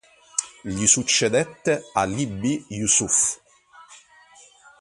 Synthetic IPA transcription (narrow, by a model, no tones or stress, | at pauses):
ʎisut͡ʃːed̪ɛt̪ːealibːijusuf